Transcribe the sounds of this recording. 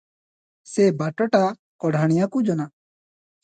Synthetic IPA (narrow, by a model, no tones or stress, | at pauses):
sɛbaʈɔʈa | kɔɽʱaɽ̃ijakud͡ʒɔna